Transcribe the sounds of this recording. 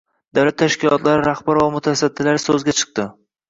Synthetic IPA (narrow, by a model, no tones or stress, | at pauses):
d̪̥awlat̪ʰːaʃkʲɪlɒt̪ʰlaɾɪɾahbaɾvamʊt̪ʰasad̪ːɪlaɾɪsɵzɡʲat͡ʃʰɨ̥q̚t̪ɪ